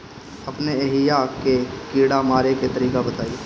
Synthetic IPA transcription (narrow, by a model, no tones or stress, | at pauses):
ɐpneeːɦɪjakekiːɽamaːɾeket̪ɐɾiːkabɐt̪aːieː